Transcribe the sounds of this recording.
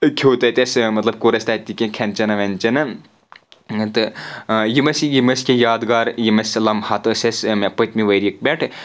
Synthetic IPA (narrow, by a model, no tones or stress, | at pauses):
kʲʰoːt̪ɐt̪ʲɐsmɐt̪lɐb̚koɾɐsʲt̪at̪ikʲekʲʰɛnt͡ʃɐnɐʋɐnʲt͡ʃɐnɐ | t̪ɨjimɐsjimɐsʲkʲejaːd̪ɡaːɾjimɐsʲɐlɐmhɐt̪ɨsʲɐsmepət̪miʋɐɾʲjik̚bʲeʈʰ